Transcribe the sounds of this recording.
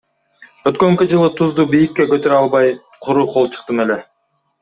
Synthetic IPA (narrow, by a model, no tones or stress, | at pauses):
ø̞t̪̚kø̞ŋkyd͡ʒɯlˠɯt̪ʰuzd̪uːbijikːe̞køt̪øɾɑlˠβɑj | qʰuɾuːqʰo̞lˠt͡ʃʰɯ̥qt̪ɯme̞le̞